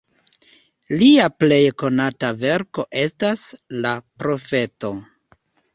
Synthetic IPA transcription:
liaple̞jko̞natave̞ɾko̞ʔe̞staslapɾo̞fe̞to̞

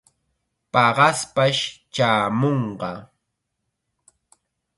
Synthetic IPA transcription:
pɑɢɑspaʃt͡ʃaːmoɴɢɑ

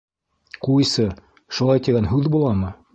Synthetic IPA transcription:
quisɤ | ʃulˠɑjt̪iɡænɦʉðbulˠɑmɤ

